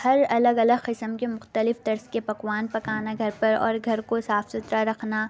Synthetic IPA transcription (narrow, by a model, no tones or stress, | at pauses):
hɐɾɐləɡɐləɡqɪsəmkemʊxt̪əlɪfd̪ɐɾskepɐkwaːnpɐkaːnaɡʱɐɾpɐɾɔ̰ːɾɡʱɐɾkosaːfsʊt̪ɾaɾɐkʰna